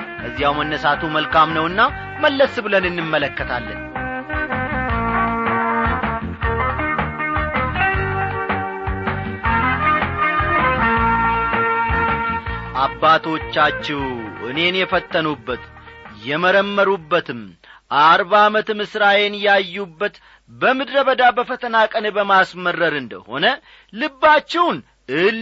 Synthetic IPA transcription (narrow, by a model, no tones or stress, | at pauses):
kʰəzːijawmənːəsat̪ʰuməlkʰamnəwɨnːa | məlːəsbɨlənɨnːɨmːələkːət̪ʰalːə̰n | ʔabːat̪ʰo̞t͡ʃːat͡ʃːɛwʔɨ̰ne̞njɛfət̪ʼːənubːət̪jɛməɾəmːəɾubːət̪ɨmʔaɾβamət̪mɨsɾajenjajːubːət̪ | bəmɨd̪ɾəβəd̪abəfət̪ʰənakʼənbəmasmərːəɾɨnd̪ə̰ho̞̰nə | lɨbːat͡ʃːɛwn | ʔɨl